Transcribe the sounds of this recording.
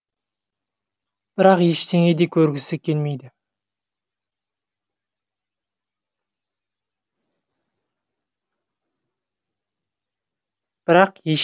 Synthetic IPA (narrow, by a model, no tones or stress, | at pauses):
b̥ɪɾɑqjeʃt̪e̞ŋe̞d̪ekʲʰɵɾɡʲɪsɪkʲʰe̞lme̞jd̪ɪ | b̥ɪɾɑqjeʃ